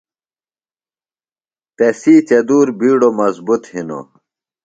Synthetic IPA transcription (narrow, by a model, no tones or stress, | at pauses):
t̪esiːt͡ɕɐd̪uːɾbiːɖomɐzbut̪hino̰